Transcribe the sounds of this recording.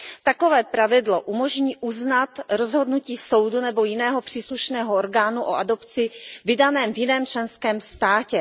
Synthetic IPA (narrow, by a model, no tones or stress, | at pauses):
t̪ako̞vɛːpɾavɪdloʔumoʒɲiːʔuznat̪ɾozɦo̞dnuciːso̞wdunɛbo̞jɪnɛːɦopr̥iːsluʃnɛːɦooɾɡaːnuʔo̰ʔado̞pt͡sɪvɪdanɛːmvjɪnɛːmt͡ʃlɛnskɛːmst̪aːcɛ